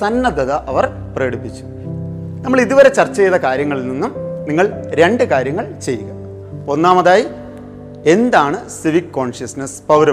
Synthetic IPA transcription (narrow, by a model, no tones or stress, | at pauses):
sɐnːɐd̪ɐðɐʔɐʋɐr | preːɽipːit͡ɕːu̥ | nɐmːɐɭiðuʋɐɾe̞t͡ɕɐrt͡ɕːɐjðɐkaːɾjɐŋːɐɭilninːumniŋːɐɭɾe̞ɳɖɨkaːɾjɐŋːɐɭt͡ɕe̞jːuɣɐ | onːaːmɐðaːji | e̞nd̪aːɳɨsiʋikːo̞ːɳʂjɐsnɐspɐwɾɐ